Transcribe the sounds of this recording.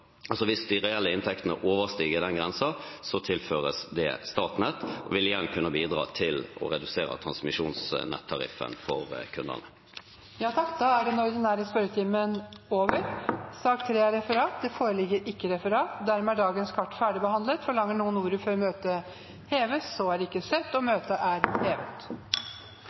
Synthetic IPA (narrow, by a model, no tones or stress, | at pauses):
ɑlsɔʋɪsd̪ɪɾɛɛlːəɪnt̪ʰɛk̚t̪ənə̰ʔoːʋəʁst̪iːɡəd̪ɛnɡʁɛnsɑsɔt̪ʰɪlføːɾəsd̪ɛ̰st̪ɑːʈ̪nɛt̪ːʔɔ̰ʋɪlɪjɛnkʰʉnːəbiːd̪ʁɑ̰ːt̪ʰɪlɔ̰ɾɛd̪ʉseːɾə̰t̪ʰɾɑ̰nsmɪʂuːnsnɛ̰t̪ʰːɑɾɪ̰fə̰nfɔɾkʰʉnd̪ə̰nə | jɑːt̪ʰɑkːd̪ɑːæɖɛnɔɾd̪ɛnæːɾəspœɾət̪ʰɪmːənoːʋəɾsɑkt̪ʰːɾeːæɾɛfəɾɑːt̪̚d̪ɛfoːɾəlɪɡːəɾɪkːəɾɛfəɾɑːt̪d̪æɾmɛæɖɑːɡənskʰɑʈːfæːɖɪbəhɑnd̪lət̪fɔɭɑŋːəɳuːənuːɾəfɔɾɔmøːt̪ə | heːʋəsɔæɖɛɪkːəsœt̪ːɔmøːt̪əʔæɾheːʋət̪